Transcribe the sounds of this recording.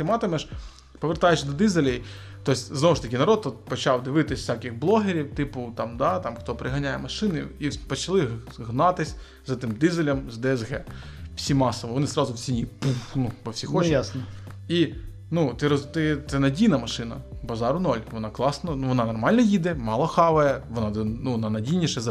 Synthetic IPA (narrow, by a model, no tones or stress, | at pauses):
t̪ɪmɑt̪ɪmɛʃ | pɔʋʲert̪ɑjet͡ʃd̪ɔd̪izelʲɐ | t̪ɔsʲznɔʋʊʃt̪ɐkʲɪnɐɾɔt̪ːut̪̚pɔt͡ʃɑwd̪ɪʋɪt̪ɪsʲfsʲakɪxblˠɔɦeɾʲiwt̪ɪpʊt̪ɑmd̪ɑt̪ɑmxt̪ɔpɾɪɦɐnʲajɛmɐʃɪnɪipɔt͡ʃɐlˠɪɦnɑt̪ɪsʲ | zɛt̪ɪmd̪izelʲɐmzd̪ɛɛzɣɛ | fsʲimɑsɔʋɔʋɔnɪzɾɑzʊwsʲinʲipunupɔwsʲixɔt͡ʃjjasnɔ | i | nut̪ɪɾɔt̪ɪt̪ɛnɐdʲijnɐmɐʃɪnɐbɐzɑɾʊnɔlʲʋɔnɑklˠɑsnɔnʋɔnɑnɔrmɑlʲnɔjid̪ɛmɑlˠɔxɑʋɐjɛʋɔnɑnuʋɔnɑnɐdʲijnʲiʃɛzɐ